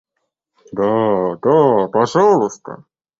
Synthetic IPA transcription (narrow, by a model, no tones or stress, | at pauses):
d̪ad̪apɐʐɑllˠɨst̪ə̰